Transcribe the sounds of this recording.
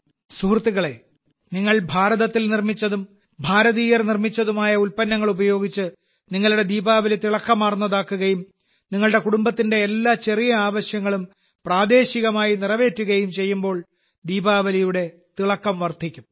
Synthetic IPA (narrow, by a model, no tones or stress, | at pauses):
suhrt̪ːiɣɐɭe̞ | niŋːɐɭbʱaːɾɐðɐt̪ːilnirmit͡ɕːɐðum | bʱaːɾɐðiːjɐrnirmit͡ɕːɐðumaːjɐulpɐnːɐŋːɐɭubɐjo̞ːɡit͡ɕːɨ | niŋːɐɭuɽe̞d̪iːbaːʋɐlit̪iɭɐkːɐmːaːrnːɐðaːkːuɣɐjum | niŋːɐɭɽe̞kuɽumbɐt̪ːinde̞ːlːaːt͡ɕe̞rijɐaːʋɐɕjɐŋːɐɭum | praːd̪e̞ːɕiɣɐmaːjinirɐʋe̞ːtːuɣɐjumt͡ɕe̞jːumbo̞ːɭ | d̪iːbaːʋɐlijuɽe̞ | t̪iɭɐkːɐmʋɐrt̪ʰikʲːum